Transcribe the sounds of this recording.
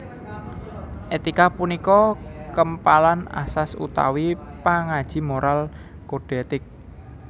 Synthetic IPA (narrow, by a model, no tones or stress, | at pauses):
ʔet̪ikapunikɔkəmpalana̰sasṵt̪a̰wipaŋad̥ʒ̥i̤moɾʔal | koɖ̥et̪ɪk̚